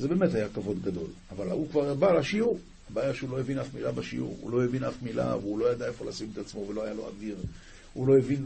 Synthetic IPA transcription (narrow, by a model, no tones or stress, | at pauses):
zebe̞me̞thajakavo̞d̪ɡado̞̰laval̰ukvaʁbalaʃiuʁ | abaːjaʃeulo̞jevinafmilabaʃiṵʁṵlo̞jevinafmila̰veulo̞jad̪ae̞fo̞lasimet̪at͡smo̞velo̞ajalo̞a̰diʁ | hulo̞jevin